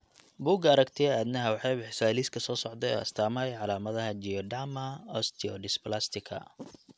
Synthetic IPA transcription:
buːɡɐɐɾɐkt̪ʰɪɛaːd̪nɐɦɐwɑħɑjbɪħɪsaːliːskʰɐsɔːsɔʕd̪ɛɔ̰ːɐ̰st̪ʰaːmɐjʕɑlaːmɐðɐɦɐd͡ʒiɔɖamɐɔst̪ʰiɔɖɪsplast̪ʰɪkʰɐ̰

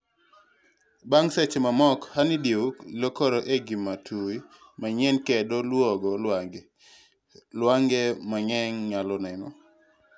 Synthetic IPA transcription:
baŋsɛt͡ʃemamɔkhanɪdiulokoɾɔʔeɡimːatʰui | maɲɛnkɛdɔlwɔɡɔlaɡ | lwaŋɡɛmaɲɛŋɲalɔnɛnɔ̰

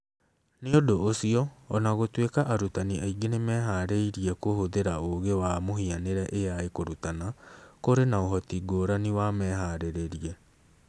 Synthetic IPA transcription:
neodoːsiɔːnaɣotwekaʔaɾutaniaiɡenemɛːɦaɾeiɾiɛkohoðeɾaoɣewamoɦianeɾɛʔejaekoɾutanakoɾenaoɦɔtiɡoːɾaniwamɛːɦaɾeɾeɾiɛ

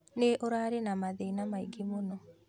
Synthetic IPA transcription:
neʔoɾaɾenamaðeinamaiɡemonɔ

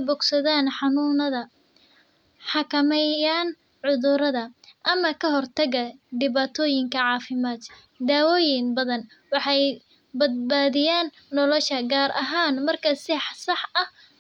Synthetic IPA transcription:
bʊɡsɐðaːnħɑnuːnɐðɐ | ħɑkʰɐmɛjaːn | ʕʊðʊɾɐðɐʔɐmɐkʰɐɦɔrt̪ʰɐɣɐɖ̪ɪβaːt̪ʰɔːjɪŋkʰɐʕɑːfɪmaːd̪ | d̪aːwɔːjɪnbɐðɐn | wɑħɑj | bɐd̪̚baːðɪjaːnːɔlɔʃɐɡaːɾʔɐ̰ɦaːnmɐrkʰɐsɪħsɑħɐh

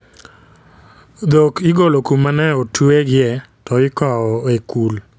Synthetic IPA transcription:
d̪okɪɡolokumanɛotweɡɪɛ | tɔɪkɔɔekul

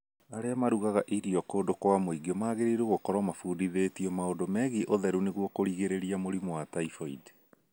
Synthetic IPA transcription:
aɾeamaɾuɣaɣaʔiɾiɔkoːndokwamoiɡiɔmaːɣeɾeɾoɣokɔɾwamafuːdiðetiɔmaondomɛɣiʔoðɛɾuneɣwɔkoɾiɣeɾeɾiamoɾimwataifɔḭde

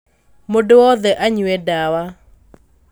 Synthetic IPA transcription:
modowɔðɛʔaɲʊɛdawa

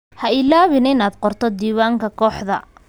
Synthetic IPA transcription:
hɐɪlaːβɪnɪnaːd̪qɔrt̪ʰɔd̪iːwaːŋkʰɐkʰɔːħðɐ̰

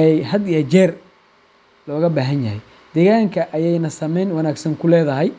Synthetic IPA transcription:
ɛjhɐd̪ijɐt͡ʃɛːr | lɔːɣɐbaːɦɐnjɐɦɛj | d̪̥ɛːɣaːŋkʰɐʔɐjɛjnɐsɐmɛjnwɑnaːɡsɐŋkʰʊlɛːðɐɦɛj

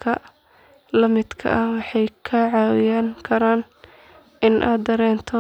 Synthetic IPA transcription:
kʰɐ | lɐmɪd̪kʰɐ̰ʔɐwɑħɑjkʰɐʕɑːwɪjaŋkʰɐɾaːn | ʔɪnʔa̰ːd̪d̪ɐɾɛːnt̪ʰɔ

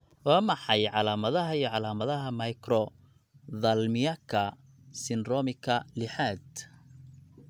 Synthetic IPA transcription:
wɑːmɑħɑjʕɑlaːmɐðɐɦɐijɔʕɑlaːmɐðɐɦɐmɐjkrɔ | ðɐlmɪjɐkʰɐ | sɪnrɔːmɪkʰɐlɪħaːd̪̚

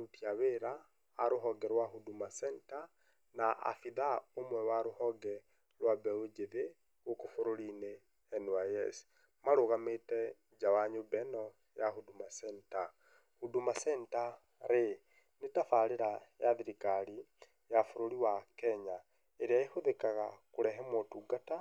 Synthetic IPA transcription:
utiaβeɾaː | ɾuɦɔɡɛɾwaɦudumasɛnta | naʔa̰fiðaomwɛwaɾuhɔɡɛ | lwabeod͡ʒeðe | ɣokofuɾolineː | nwajḛsi̥ | maɾoɣamete | d͡ʒawaɲobɛno | jahudumasɛnta | hudumasɛnta | ɾe | netafaleɾajaðiɾikali | jafuɾoliwakɛɲa | eɾiaehuðekaɣa̰kuɾɛɦɛmotuɡata

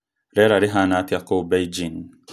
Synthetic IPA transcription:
ɾɛɾaɾiɦanat̪iakobajd͡ʒin

